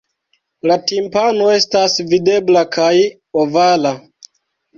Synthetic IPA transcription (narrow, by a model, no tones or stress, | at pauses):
latimpano̞e̞stasvide̞blakʰaj | ovala